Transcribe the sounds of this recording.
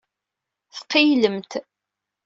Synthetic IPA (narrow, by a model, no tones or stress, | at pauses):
θqːijləmt̪